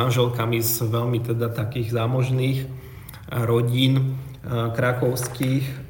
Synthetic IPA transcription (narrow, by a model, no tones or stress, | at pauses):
anʒɛlkamizʋɛʎmit̪ɛd̪at̪akiːɣzaːmɔʒniːx | ɾɔɟiːn | kɾakɔʊskiːx